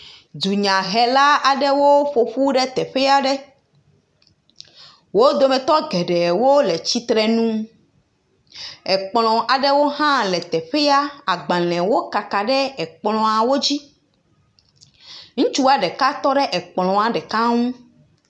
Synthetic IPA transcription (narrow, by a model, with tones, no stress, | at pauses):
d̪u˨ɲã˨ɦɛ˨la˦a˨ɖɛ˦wo˦ɸo˨ɸu˦ɖɛ˦t̪ɛ˨ɸɛ˦a˦ɖɛ˦ | wo˦d̪o˦mɛ̃˨t̪ɔ˦ɡɛ˨ɖɛ˨wo˦le˨t͡ɕi˦t̪ɾɛ˦nũ˦ | ɛ˨k͡plɔ̃˨ʔa˨ɖɛ˦wo˦ɦã˦lɛ˨t̪ɛ˨ɸɛ˦a˦a˨ɡ͡bã˨lɛ̃˨wo˦ka˨ka˨ɖɛ˦ɛ˨k͡plɔ̃˨a˨wo˦d͡ʑi˦ | ŋ̩̃˦t͡ʃu˦a˨ɖɛ˨ka˦t̪ɔ˦ɖɛ˦ʔɛ˨k͡plɔ̃˨a˨ɖɛ˨ka˦ŋũ˦